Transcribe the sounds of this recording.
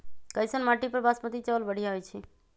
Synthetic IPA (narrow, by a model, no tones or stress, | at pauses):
kəjsənmaʈipəɾbasmət̪it͡ʃəlbəɽ̤ijaɦojt͡ʃʰi